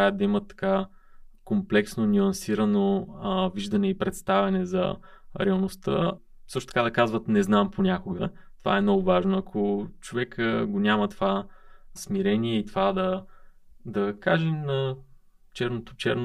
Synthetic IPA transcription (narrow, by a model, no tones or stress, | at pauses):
aəd̪̚d̪ɐimət̪ːɐ̥ka | komplɛksnonʲyɐnsiɾɐnoviʒd̪ɐnɛipɾɛt̪st̪avɛnɛzɐ̰ | ɾɛɐlˠnost̪ə̰ | sɤ̥ʃt̪o̥t̪ɐ̥kad̪ɐkazvət̪nɛznamponʲakʊɡət̪ova̰ɛmnɔɡʊvaʒnoɐkʰot͡ʃovɛkʰəɡonʲamɐt̪ovasmiɾɛniɛit̪ovad̪ɐ | d̪ɐkaʒɛmnɐ | t͡ʃɛɾnot̪o̥t͡ʃɛɾno